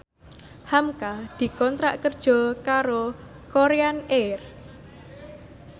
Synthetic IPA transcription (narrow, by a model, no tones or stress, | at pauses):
hamkad̪̥i̤kɔnt̪ɾaʔkərd̥ʒ̥ɔ̤kaɾo | koɾeaner